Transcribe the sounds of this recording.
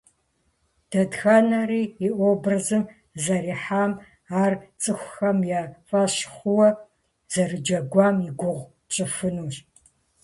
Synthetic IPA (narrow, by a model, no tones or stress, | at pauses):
d̥ɐdxɐnɐriːiʔʷobrɨzɨm | zɐɾiːħaːm | aːrt͡sʼɨxʷxɐmjaːfʼaɕχʷʊwɐ | z̥ɐrɨd͡ʒɐɡʷɑːmiɡʷʊʁʷ | t͡ʃʼɨfɨnuːɕ